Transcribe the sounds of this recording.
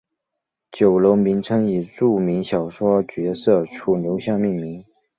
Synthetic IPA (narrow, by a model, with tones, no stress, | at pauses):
t͡ɕjo˨˩ʊlo˧˥ʊmi˧˥nʈ͡ʂʰɤ˥ŋi˨˩ʈ͡ʂu˥˩mi˧˥ŋɕjɑ˨˩ʊʂwɔ˥t͡ɕɥɛ˧˥sɤ˥˩ʈ͡ʂʰu˥˩njo˧˥ʊɕjɑ˥˧ŋmi˥˩nmi˧˥˦ŋ